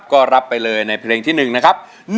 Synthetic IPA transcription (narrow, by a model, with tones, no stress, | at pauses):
p̚kɔː˥˩ɾa˦˥pːa˧jlɤː˧jna˧jpʰleː˧ŋt̪ʰiː˥˩nɯ˨˩ŋna˦˥kʰa˦˥p̚ | n